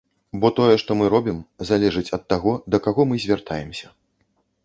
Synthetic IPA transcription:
bɔt̪ɔjɛʂt̪ɔmɨɾɔbʲimzalʲɛʐɨt͡sʲɐt̪ːaɣɔd̪ɐkaɣɔmɨzʲvʲart̪ʰajɛmsʲɐ̥

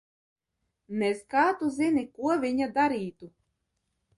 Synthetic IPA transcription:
neskaːt̪uzinikuɔvʲiɲad̪aɾiːt̪u

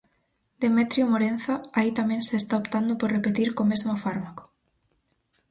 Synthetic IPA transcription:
d̪emet̪ɾjomoɾenθaait̪amɛ̃ŋseːst̪aopt̪and̪opoɾrepet̪iɾkomezmofaɾmako̥

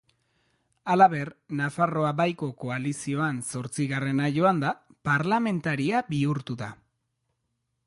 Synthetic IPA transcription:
alaβe̞ɾnafaro̞abajko̞ko̞alisio̞anso̞ɾt͡siɣare̞naʝo̞and̪apaɾlame̞nt̪aɾiabiuɾt̪uða

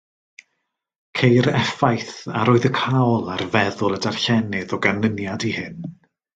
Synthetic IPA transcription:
kʰejɾɛfajθaɾoːɨðəkʰawlˠarvɛðʊlˠədarɬɛnɪðɔɡanənjadihɪn

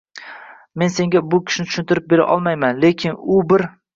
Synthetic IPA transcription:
me̞nse̞ŋɡʲabʊkʲʰɪ̥ʃnɪt̪ʰʊ̥ʃɪnt̪ɪɾɪp̚be̞ɾa̰ʔɒ̰lˠmajmanle̞kʲʰɪnʊbɪɾ

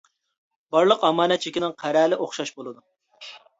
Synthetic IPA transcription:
b̥ɑɾlˠəqɑmɑːnɛt͡ʃʰikʲinɪŋqʰæɾɛːlɪʔoχʃɑʃbolˠɨd̪u

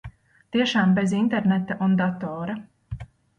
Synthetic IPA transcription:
t̪iɛʃaːmbezint̪ɛɾnɛt̪aʔund̪at̪ɔːɾɐ

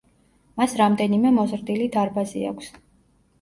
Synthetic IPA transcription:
masɾamd̪ɛnimɛmɔzɾd̪ilid̪aɾbazḭa̰kʷʰs

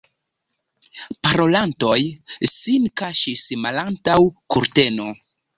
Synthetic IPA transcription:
paɾo̞lanto̞jsinkaʃismalantawkuɾte̞no̞

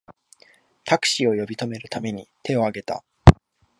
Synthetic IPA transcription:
t̪ʰakɯ̟̥ɕio̞jo̞bʲit̪o̞me̞ɾɯ̟t̪ame̞ɲ̟it̪e̞o̞aɡe̞t̪a̰

